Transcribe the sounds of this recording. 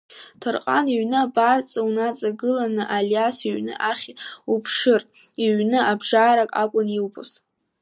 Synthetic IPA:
tʰɨrqʼa̰niɥnɨabart͡sʼawnat͡sʼaɡɨlanɨʔaljasiɥnɨ̰ʔaχʲupʰʂɨr | iɥnɨʔabʐaːɾakʼakʷʼʊniwpʰʼo̰s

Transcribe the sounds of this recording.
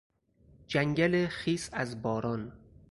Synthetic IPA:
d͡ʒæŋɡælexiːsæzbɒːɾɒːn

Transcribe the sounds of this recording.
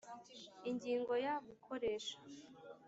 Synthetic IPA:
iɲɟiːŋɡo̞jaɡukʰo̞ɾeːʃḁ

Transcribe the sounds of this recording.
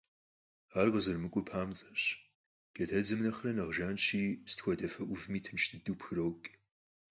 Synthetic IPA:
aːrʁəzɨrmɨkʷʼʊpʰaːmt͡sʼɐɕ | ɡ̥ɐtʰɐd͡zɨmnɐχɐrɐnɐʁʒaːnt͡ʃʰiːsɨ̥txʷɔdɐfɐʔʷʊvmiːtʰɨnʃtʰɨdupxɨrowkʼ

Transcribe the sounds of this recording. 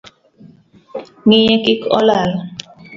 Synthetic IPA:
ŋijekikɔ̰lal

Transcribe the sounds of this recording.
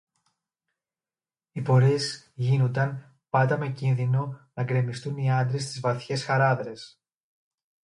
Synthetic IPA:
ipo̞ɾez | ʝinond̪ɐn | pɐd̪ɐme̞cinðino̞nɐɡɾe̞mist̪uniɐnd̪ɾest̪izvɐθçe̞sxɐɾɐðɾe̞s

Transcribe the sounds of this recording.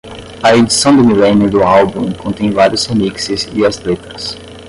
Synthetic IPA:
ɐed͡ʒisɐ̃w̃d̪ʊmilẽnjʊd̪ʊalbũkõnt̪ẽj̃vaɾjʊshemiksɪzɪɐst̪let̪ɾɐs

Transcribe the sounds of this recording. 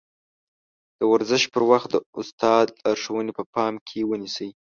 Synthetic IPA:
d̪̥əwaɾzəʃpəɾwaxt̪̚d̪əʊst̪ɑd̪lɑɾʂəwənepəpɑmkʰewənisəj

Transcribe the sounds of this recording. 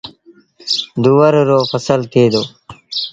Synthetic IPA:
d̪uwəɾɾoːfəsəlt̪ʰeːd̪oː

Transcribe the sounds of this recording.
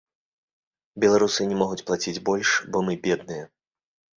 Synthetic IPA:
bʲɛlˠaɾusɨnʲɛmɔɣut͡sʲplˠat͡sʲid͡zʲbɔlʲʂbɔmɨbʲɛd̪nɨjɐ

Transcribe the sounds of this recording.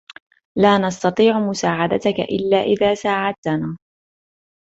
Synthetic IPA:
laːnɑst̪ɑt̪ˤiːʕʊmʊsaːʕad̪a̰t̪aka̰ʔɪ̰lːaːʔɪðaːsaːʕad̪̚t̪anaː

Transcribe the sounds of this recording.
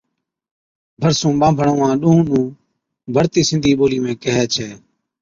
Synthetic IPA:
bʱəɾsũːɓãːbʱəɳõːãːɗũːũːnũː | bʱəɾt̪iːsɪ̃nd̪ʱiːɓoːliːmẽːkəɦɛːt͡ʃʰɛː

